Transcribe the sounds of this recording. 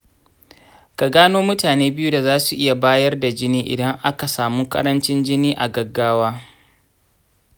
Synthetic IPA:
ka˨ɡaː˦noː˦mʊ˦taː˨neː˦bɪ˦ju˦da˨zaː˦su˨ʔɪ˦ja˨baː˦jɐ˦rda˨d͡ʒɪ˦niː˦ʔɪ̰˨dɐ˦ŋʔa˦ka˨saː˨muː˦kɐ̰˦ɾɐ˦nt͡ʃɪ˦nd͡ʒɪ˦niː˦ʔa˨ɡɐ˨ɡːaː˦waː˦

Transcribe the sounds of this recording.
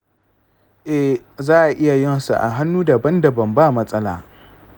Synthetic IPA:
ʔɛ˦ | zaː˦ʔa˨ʔɪ˦ja˨jɪ˦nsṵ˨ʔa̰˨ɦa˦nːuː˦da˨bɐ˦nda˨bɐ˨mbaː˦˨mɐ˦sʼɐ˦la̰ː˨

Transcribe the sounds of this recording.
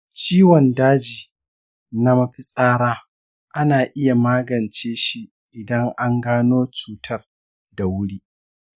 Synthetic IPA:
t͡ʃiː˦wɔ˨ndaː˦d͡ʒiː˨ | na˦mɐ˦ɸi˦sʼaː˦ɽaː˦ | ʔa˦naː˨ʔɪ˦ja˨maː˦ɡɐ˨nt͡ʃeː˦ʃi˦ | ʔɪ˨dɐ˦ŋʔa˦ŋɡaː˦noː˦t͡ʃuː˨tʰɐ˦r | da˨wʊ˦ɽiː˦ʔ

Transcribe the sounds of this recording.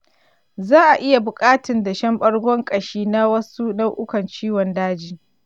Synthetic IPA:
zaː˦ʔa˨ʔɪ˦ja˨bʊ˨kʼaː˦tɪ˨nda˨ʃɐ˦mɓɐ˦ɽɡʷɔ˦ŋkʼɐ˨ʃiː˦na˦wɐ˦su˦nɐ˦wʔʊ˦kɐ˨nt͡ʃiː˦wɔ˨ndaː˦d͡ʒiː˦

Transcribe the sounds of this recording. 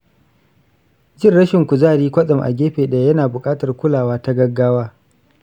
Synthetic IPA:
d͡ʒɪ˦rɽɐ˦ʃɪ˨ŋkʷu˨zaː˦˨ɽiː˦kʷɐ˦sʼɐ˨mʔa̰˨ɡʲeː˦ɸeː˨ɗa˨jɐ˦naː˨bʊ˨kʼaː˦tɐ˨rkʷʊ˦laː˨waː˦ta˦ɡɐ˦ɡːaː˦waː˦

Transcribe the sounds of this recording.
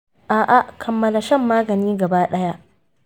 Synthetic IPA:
ʔaː˨ʔa˨ʔkʰɐ˨mːɐ˦la˨ʃɐ˦˨mːaː˦ɡɐ˨niː˦ɡɐ˨baː˦ɗɐ˦ja˦ʔ

